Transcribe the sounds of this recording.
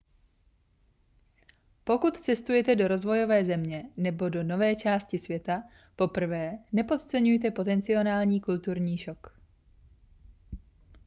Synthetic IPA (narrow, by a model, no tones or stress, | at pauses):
po̞kut̪t͡sɛst̪ujɛt̪ɛdo̞ɾo̞zvo̞jo̞vɛːzɛmɲɛnɛbo̞do̞no̞vɛːt͡ʃaːscɪsvjɛt̪a | po̞pr̩vɛːnɛpo̞t̪t͡sɛɲujt̪̬ɛpo̞t̪ɛnt͡sɪo̞naːlɲiːkult̪uɾɲiːʃok